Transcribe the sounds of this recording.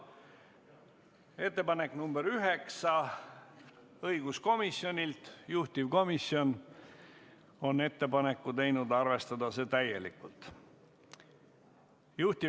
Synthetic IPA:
e̞t̪ːe̞pɑne̞kːnumb̥eɾyɦeksɑ | ɤjɡ̥usko̞misjo̞nʲilt̪juht̪ivko̞misjo̞n | o̞ne̞t̪ːe̞pɑnekːut̪e̞jnud̪ɑrve̞st̪ɑd̪ɑse̞ːt̪æje̞likːult̪ˑ | juht̪i

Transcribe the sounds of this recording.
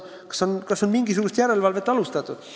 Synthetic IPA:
kɑ̥so̞nkɑso̞nmiŋɡisuɡ̥ust̪jæɾe̞lvɑlve̞t̪ːˑɑlust̪ɑt̪ːˑud̪̥

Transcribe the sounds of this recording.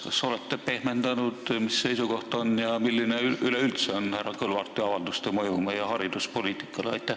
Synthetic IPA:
kɑso̞le̞t̪ːepe̞hme̞nd̪̥ɑnud̪̥misːe̞jsuko̞ht̪o̞njɑmilːineyyleylt̪seonhærɑkɤlvɑrt̪ːˑiɑvɑld̪ust̪emɤjumejɑhɑɾid̪uspo̞liːt̪ˑi̥kːˑɑleɑjt̪ːˑæh

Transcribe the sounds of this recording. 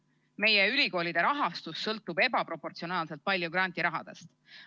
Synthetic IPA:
me̞jeylʲiko̞ːlid̪̥e̞ɾɑɦɑst̪usːɤlt̪ːˑube̞bɑpɾo̞po̞rt̪sio̞nɑːlse̞lt̪̚pɑlʲjuɡɾɑnʲt̪iɾɑɦɑ̰d̪̥e̞̰st̪

